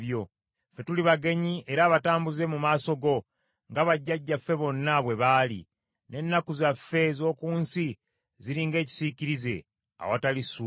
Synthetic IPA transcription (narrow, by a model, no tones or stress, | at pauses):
jo̞ | fe̞tuliβaɡe̞ɲie̞ɾaːβataːmbuze̞mumaːso̞ɡo̞ | ŋɡaβaɟːaɟːafe̞βo̞nːaβwe̞βaːlḭ | ne̞nːakuzafːe̞zo̞ːkuːnsi | ziɾiːŋɡe̞ːci̥siciɾize̞̰ | a̰watalisu